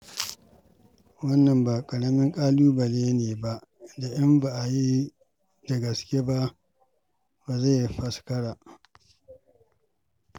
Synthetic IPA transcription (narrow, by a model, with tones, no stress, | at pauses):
wɐ˦nːɐ˨mbaː˨kʼɐ˨ɽɐ˦mɪ˦ŋkʼaː˦luː˦bɐ˨leː˦neː˨ba˦ʔda˨ʔɪ˦mba˨ʔa˨ji˦ | da˨ɡɐ˨skʲe˦ba˦ʔ | ba˨za˦˨jɸɐ˦skɐ˦ɽaː˨ʔ